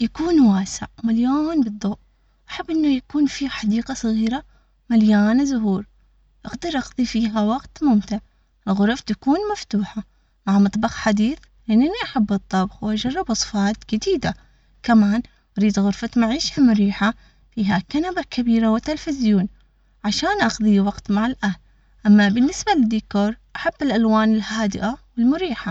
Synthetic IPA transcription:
jakuːnwaːsɪ̰ʕmaljoːnbɨd̪ˤːoːʔ | ʔaħabːʔɪnːajakuːnfiːħɑd̪iːqɑsˤɨɣiːɾa | maljaːnazʊɦuːɾ | ʔaɡd̪ɑɾˤʔɑɡðˤifiːɦawaɡt̪mʊmt̪ɪʕ | ɣʊɾˤft̪akuːnmaft̪uːħa | maʕmɑt̪ˤbɑxħad̪iːθ | ʔɪnːɪniʔaħabːɨt̪ˤːɑbxwʔad͡ʒɑrˤːɑbʔɑsˤfɑːt̪d͡ʒɪd̪iːd̪a | kamaːn | ʔaɾiːd̪ɣʊɾfat̪maʕiːʃalmʊɾiːħa | fiːɦakanabakabiːɾawɪt̪ːɪlfɪzjuːn | ʕaʃaːnʔɑxðˤiwɑqt̪maʕɪlʔahl | ʔamːabɪnːɪsbalɪd̪ikoːɾˤʔaħabːɪlʔalwaːnɪlhaːd̪ɪʔawɪlmʊɾiːħa

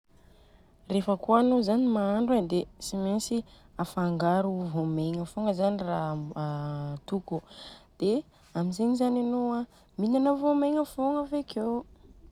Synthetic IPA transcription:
refəkuanozanimaaɳɖ͡ʐed̪esimensi | afaŋɡaɾuvomeŋəfoŋəzanira | t̪ukud̪̥e | amizeɲizananowa | minanəvomeŋəfoŋəveke

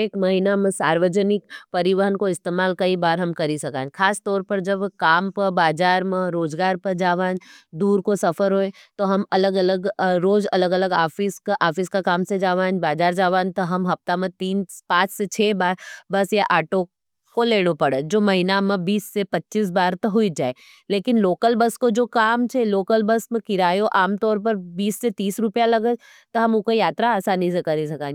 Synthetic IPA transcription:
eːkmɐɦinamẽsaːɾʋəd͡ʒənɪk̚pɐɾɪʋəɦənkoɪst̪eːmaːlkɐibaːɾɦɐmkɐɾisɐkãːkʰaːst̪ɔːɾpɐɾd͡ʒɐbkaːmpəɾbaːd͡ʒaːɾmẽɾoːzɡaːɾpɐɾd͡ʒaːʋaːnd̪uːɾkosɐfʰəɾɦoːẽ | t̪oɦɐmɐləɡɐləɡɾoːd͡ʒɐləɡələɡaːfiskʔaːfiskakaːmsed͡ʒaːʋaːnbaːd͡ʒaːɾd͡ʒaːʋãːnt̪oɦɐmɦɐpt̪amẽt̪iːnpãːt͡ʃʰset͡ʃʰeːbaːɾbɐsjaʔaːʈo | koleːɽ̃opɐɽəd͡ʒoːmɐɦinamẽbiːsːepɐtːt͡ʃiːs̬baːɾt̪oɦuid͡ʒaːe | leːkɪnloːkəlbəskod͡ʒoːkaːmt͡ʃʰeloːkəlbɐsmẽkɪɾaːjoʔaːmt̪ɔːɾp̬ɐɾbiːsːet̪iːsɾʊpjalɐɡəd͡ʒ | t̪oɦɐmukojaːt̪ɾaaːsaːnĩs̬ekɐɾisɐkãːn

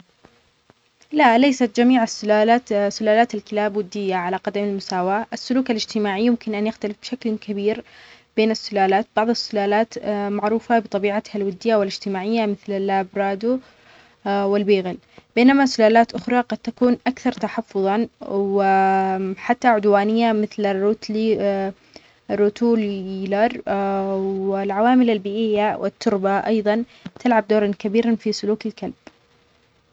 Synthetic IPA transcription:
laʔlejsat̪̚d͡ʒamiːʕasːʊlaːlaːt̪sːʊlaːlaːt̪alkɪlaːbwɪd̪ːɪjːaʕalaqɑd̪amɪlmʊsaːwaːʔɪsːʊluːkalɪd͡ʒt̪ɪmaːʕijʊmkɪnʔanjɪxt̪alɪfbʃaklkʰabiːɾb̥eːnɪsːʊlaːlaːt̪̚bɑʕðˤɪsːʊlaːlaːt̪maʕɾuːfabɨt̪ˤɑbiːʕat̪halwɪd̪ːɪjːawɪlɪd͡ʒt̪ɪmaːʕɪjːamɪθlɪlːʔaːbɾɑːd̪u | wɪlbiːɣɪl | b̥eːnamasʊlaːlaːt̪ʔʊxɾˤɑqɑd̪̚t̪ːakuːnʔakθɑɾˤt̪aħɑfːʊðˤɑwɪ | ħat̪ːaʕʊd̪waːnɪjːamɪθlarːuːt̪l | rːʊt̪uːllɑɾˤ | wɪlʕawaːmɪlalbiːʔɪjːawʔɪ̰t̪ːʊɾbaʔɑjðˤɑn | t̪ʰɪlʕab̚d̪oːɾˤɑnkabiːɾanfisʊluːkɪlkalb̥̚

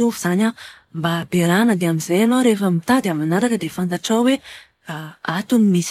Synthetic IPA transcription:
uvuz̥aɲəmbabeɾanəd̪eamizajanoɾefəmit̪ad̪amanaɾakəd̪efant̪aʈ͡ʂawwe | aat̪unimis

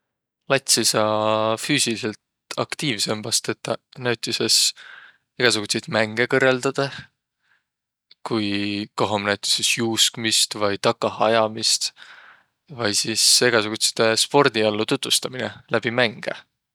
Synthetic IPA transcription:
lɑt̪ʲsisɑfyːsilise̞lt̪ | ɑkt̪iːvse̞mːɑst̪e̞t̪ːˑɑnæwt̪ʲːˑise̞s | eɡ̥ɑsuɡ̥ut̪sejt̪mæŋɡ̥ekɤrːeld̪̥ɑd̪̥ɑ | kujko̞ɦomnæwt̪ʲˑi̥sesjuːskmist̪vɑjt̪ɑkːˑɑhɑjɑmist̪ | vɑjsiseɡ̥ɑsuɡ̥ut̪se̥t̪espo̞rd̪̥iɑlːut̪ut̪vust̪ɑminelʔæb̥imæŋɡ̥ḛ

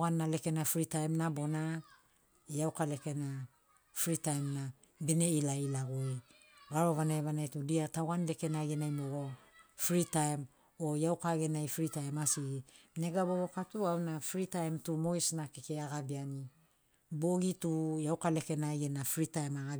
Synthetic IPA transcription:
ɣanːale̞ke̞nafɾitajmnabo̞na | jawkale̞ke̞na | fɾitajmna | bene̞ilailaɡue | ɡaɾo̞βanajβanajtudiatawɣanle̞ke̞naɡenajmoɡofɾitajm | ojawkaɡe̞najfɾitajmasiɡi | ne̞ɡaboβokatuawnafɾitajmtumo̞jsnakekeaɡabiani | boɡitujawkale̞ke̞naɡenafɾitajmaɡa

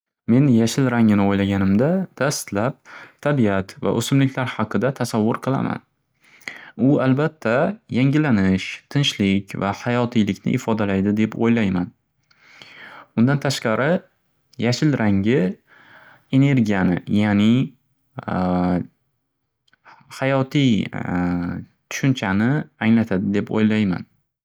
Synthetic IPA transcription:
me̞njaʃɪlɾaŋɪnɪojlaɡʲanɪmd̪ad̪̥ast̪lap̚t̪ʰːabiat̪va̰ʔɵ̰sɪmlɪkʲlaɾhɑqʰɨd̪at̪ʰasavːʊɾqʰɨlˠa̰ma̰n | ʊalbat̪ʰːajaŋɡʲɪlanɪʃt̪ʰɪnʃlɪkʲvahajɒt̪ʰijlɪkʲnɪ̰ʔɪfɒd̪alajd̪ɪd̪e̞pojlajman | ʊnd̪ant̪ʰaʃqɑɾʔɪ | jaʃɪlɾʔaŋɡʲɪ | e̞ne̞ɾɡʲijanɪ̰janɪ | hajɒt̪ʰij | t̪ʰʊ̥ʃʊnt͡ʃʰanɪaŋlat̪ʰad̪ɪd̪e̞po̰jlajma̰n

